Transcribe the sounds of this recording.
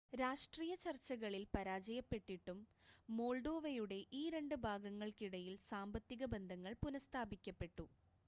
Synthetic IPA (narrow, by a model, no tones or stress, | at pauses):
ɾaːʂʈriːjɐt͡ɕɐrt͡ɕːɐɣɐɭilpɐɾaːd͡ʑɐjɐpːe̞ʈːiʈːumːo̞ːɭɖo̞ːʋɐjuɽe̞ʔiːɾe̞ɳɖɨbʱaːɡɐŋːɐɭkiɽɐjilsaːmbɐt̪ːiɣɐbe̞nd̪ʱɐŋːɐɭpunɐst̪ʰaːbikʲːɐpːe̞ʈːu